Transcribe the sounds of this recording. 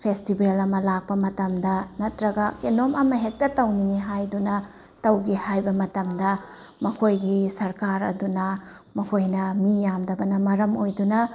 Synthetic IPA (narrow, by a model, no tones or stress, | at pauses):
pʰestibelɐmɐlak̚pɐmɐtɐmdɐnɐtɾɐɡɐkenomʔɐmɐɦek̚tɐtɐwniniɦajdunɐ | tɐwɡihajbɐmɐtɐmdɐ | mɐkʰojɡisɐɾkaɾɐ̰dunɐ | mɐkʰojnɐmijamdɐbɐnɐmɐɾɐmojdunɐ